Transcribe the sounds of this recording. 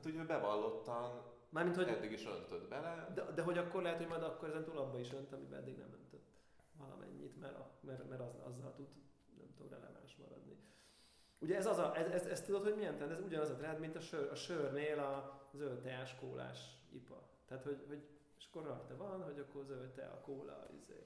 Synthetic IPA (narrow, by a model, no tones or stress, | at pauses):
t̪hucøbɛvɒlːo̞t̪ːɒn | maːrmint̪hot̪ːeɡiʃø̰nt̪ød̪bɛlɛd̪ɛd̪ɛɦo̞ɟɒkːo̞rɾlɛɦɛt̪hoɟmɒjd̪ɒkːoɾɛzɛnt̪uːlɒbːɒiʃønt̪ɒmibɛ̰ɛ̰d̪ːiɡnɛ̰mø̰nt̪øt̪ː | vɒlɒ̰mʔɛ̰ɲːḭt̪mɛ̰ɾɒ̰mɛrmɛɾɒzɒ̰zːɒ̰lt̪ud̪ | nɛ̰mt̪omrɛ̰lɛ̰va̰ːnʃmɒ̰ɾɒ̰d̪ni | uɟɛɛzɒzɒʔɛzɛzɛst̪ud̪o̞t̪hoɟmijɛnt̪ɛnɛzuɟɒnɒzɒt̪ɾɛnd̪mint̪ɒʃørɒʃørneːlɒzølt̪ɛaːʃkoːlʔa̰ːʃḭpɒ | t̪ɛaːt̪ho̞ɟho̞ɟ | eʃɒ̥kːorːɒrt̪ɛvɒnɦo̞ɟɒkːo̞rzølt̪ɛ̰ɒ̰koːlɒ̰ḭzḛː